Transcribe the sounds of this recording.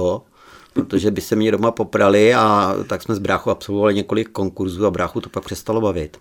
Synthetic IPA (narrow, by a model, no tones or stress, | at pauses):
o | pɾot̪oʒɛbɪsɛmɲɛdo̞mapo̞pɾalɪat̪aksmɛzbɾaːxuapso̞lvovalɪɲɛko̞lɪkːo̞ŋkuɾzuːabɾaːxut̪o̞̥pak̚pr̥ɛst̪alo̞bavɪt̪